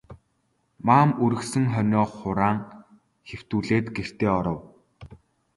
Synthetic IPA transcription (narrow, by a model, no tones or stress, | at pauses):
maːmuɾɘ̆xsɘ̆ŋχœnʲɔːχʊɾaːŋ | xew̥t̪uːɮeːt̪ɡer̥t̪eːɔɾɞ̆w